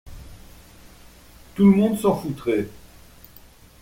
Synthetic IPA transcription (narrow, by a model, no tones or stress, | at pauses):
t̪uləmɔ̃d̪sɑ̃fut̪χe